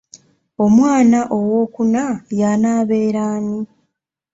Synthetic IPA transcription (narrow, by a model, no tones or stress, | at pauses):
o̞mwaːnaʔo̞woːkunajanaːβe̞ːɾaːni